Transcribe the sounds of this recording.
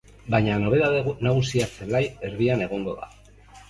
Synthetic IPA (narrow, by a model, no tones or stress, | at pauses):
bajɲanoβ̞e̞ðaðenaɣ̞usiaselaje̞ɾðiane̞ɣ̞o̞ŋɡo̞ða̰